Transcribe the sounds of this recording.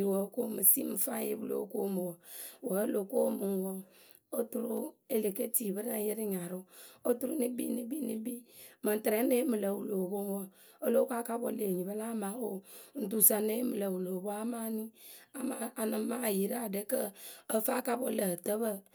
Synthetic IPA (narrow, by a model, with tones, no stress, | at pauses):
ɾwo˨˦ko˦mə˨si˦m̩˨fa˦jḛ˦bu˨lo̰˨˦ko˦mo˨wo˨wə˨˦lo˨ko˦mu˨n˨wɔ˦ | o˦tu˦ɾu˦e˨le˨ke˦ti˨bə˦na˦ji˦ɾi˦ɲa˨ɾu˦o˦tu˦ɾu˦ni˦bḭ˦ni˦bi˦ni˦bi˦mə˨tɾe˨˦ne˦mɨ˨lə˨wu˨lo˨bo˦n˦wo˦ | o˦lo˦ka˦ka˦bo˦le˨ɲi˨bə˦la˦ma˨˦o˦n̩˨tu˨sa˨ne˦mə˨lə˨wu˨lo˨bo˦a˦ma˦ni˦a˦a˨a˨nɨ˨˦ma˦˨ji˨ɾa˨de˦kə˦ə˦fa˦ka˦bo˦lə˨tə˦bə˦